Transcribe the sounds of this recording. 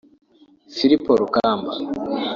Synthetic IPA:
fiɾipoɾukaːmba

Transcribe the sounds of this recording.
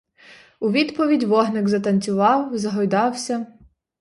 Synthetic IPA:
uʋʲid̪pɔʋʲidʲʋɔɦnɪɡzɐt̪ɐnʲt͡sʲʊʋɑwzɐɦɔjd̪ɑwsʲɐ

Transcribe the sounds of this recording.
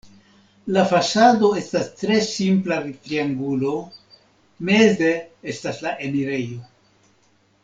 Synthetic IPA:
lafasado̞e̞stastɾe̞simplaɾit̪ɾiaŋɡulo̞ | me̞zeestaslaʔe̞niɾe̞jo̞

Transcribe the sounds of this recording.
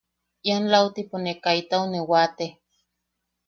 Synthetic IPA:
ianlaot̪iponekait̪aonewat̪eh

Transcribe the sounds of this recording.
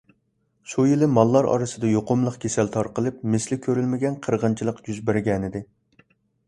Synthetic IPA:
ʃujilɪmɑlˠːɑɾɑ̰ɾɨsɨd̪ɛjoqʊmlˠəqkʲʰesɛlt̪ʰɑɾqəlˠɨp̚mɪslɪkʲʰøɾylmɪɡʲɛnqʰəɾʁənt͡ʃʰilˠəqjyzbæɾɡʲɛnɪd̪ɪ

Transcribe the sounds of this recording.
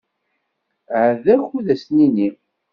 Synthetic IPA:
ʕəðæçuðæsnini

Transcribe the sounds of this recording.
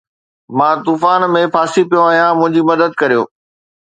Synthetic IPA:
mãːt̪uːfaːnmẽfaːsipijoaːɦjãmʊ̃ɦɪ̃ɲd͡ʑimɐd̪əd̪̚kɐɾijo̰ː

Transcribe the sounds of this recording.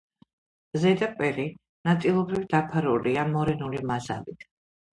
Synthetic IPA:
zɛd̪apʼɛɾi | nat̪sʼilˠɔbɾivd̪apʰaɾuliamɔɾɛnulimaza̰lit̪ʰ

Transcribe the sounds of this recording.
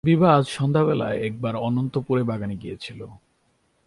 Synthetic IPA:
bibʱad͡ʑʃɔnd̪ʱaβela̰eɛk̚baɾɔnont̪opuɾebaɡaniɡijet͡ɕʰilo

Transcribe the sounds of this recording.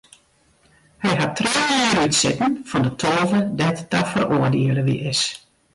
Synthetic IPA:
hɛjɦatʰːreːiːɾytsɪtn̩fɔndətʰɔːvədɛtdafəroːərdeələʋḭʔɪs

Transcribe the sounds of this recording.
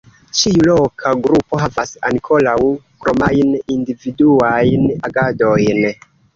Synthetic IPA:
t͡ʃiulo̞kʰaɡɾupo̞ɦavasa̰nikʰo̞lawkɾo̞majnindividuajnaɡado̞jn

